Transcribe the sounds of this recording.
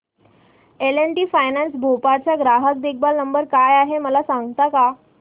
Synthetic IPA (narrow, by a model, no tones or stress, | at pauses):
eleɳʈiːfajnansbʱopaɾt͡ɕjaɡɾaɦək̚d̪ek̚ʰbalnəmbəɾkajaɦeməlasãŋɡt̪aka